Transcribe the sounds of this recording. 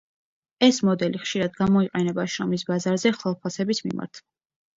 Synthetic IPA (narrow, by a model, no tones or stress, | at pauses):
ɛsmɔd̪ɛliχʃiɾad̪ɡamɔiqʼɛnɛbaʃɾɔmisbazaɾzɛχwɛlˠpʰasɛbismḭma̰ɾt̪ʰ